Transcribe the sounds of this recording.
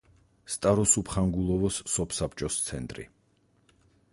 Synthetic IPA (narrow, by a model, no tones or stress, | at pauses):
st̪ʼaɾɔsupʰχaŋɡulˠɔvɔsːɔpʰsapʰt͡ʃʼɔst̪sʰɛnt̪ʼɾḭ